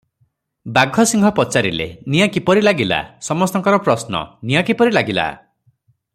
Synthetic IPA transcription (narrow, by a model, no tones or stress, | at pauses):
baɡʱɔsiŋɡʱɔpɔt͡ʃaɾilḛnijakipɔɾilaɡila̰sɔmɔst̪ɔŋkɔɾɔpɾɔsnɔ̰nijɔkipɔɾilaɡila̰